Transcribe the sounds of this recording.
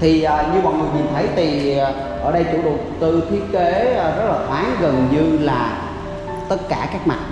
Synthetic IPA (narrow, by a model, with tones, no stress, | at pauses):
t̪ʰi˨˩ʔəː˨˩ɲɨ˧mɔ̰˨ŋɨ˨˩əɲi˨˩nt̪ʰə˨˦jt̪ʰi˨˩ | ʔəː˧˩ɗə˧jt͡ɕṵ˧˩˦ɗu˨˩ək͡p̚t̪ɨ˧t̪ʰi˦˥ət̚ke˨˦˨zə˦˥t̚laː˨˩xwaː˨˦nɣə˨˩nɲɨ˧laː˨˩ | t̪ə˦˥t̚kaː˧˩kaː˦˥k̚ma̰˨˩